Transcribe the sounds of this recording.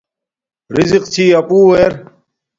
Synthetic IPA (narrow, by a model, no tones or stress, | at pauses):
ɾiziqt͡ɕʰiːɐpuːweːɾ